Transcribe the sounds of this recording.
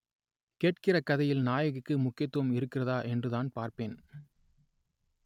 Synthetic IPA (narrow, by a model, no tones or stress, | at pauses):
keːʈ̚kɪrɐkɐðɐjɪlnaːjɐɣɯkːɯmʊkːɪjɐt̪ːɐmɪɾɯkːɪrɐðaːʔɛndrɯðaːnpaːɾpeːn